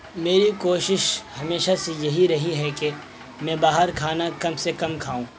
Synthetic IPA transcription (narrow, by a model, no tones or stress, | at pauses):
meːɾikoːʃɪʃhɐmeːʃasejɐɦiɾɐɦiɦɛke | mɛ̃ːbaːɦəɾkʰaːnakɐmsekɐmkʰaːũː